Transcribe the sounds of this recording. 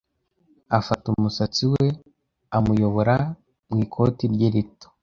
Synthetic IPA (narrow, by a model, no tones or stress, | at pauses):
afatumusat͡siwe̞ | amujo̞βoɾa | mŋiːkʰo̞tiɾɟeɾito̥